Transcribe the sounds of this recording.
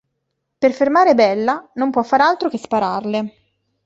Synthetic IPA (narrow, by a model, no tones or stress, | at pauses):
perfermaːɾebɛlːanompwɔfːaːɾalt̪ɾokespaɾarle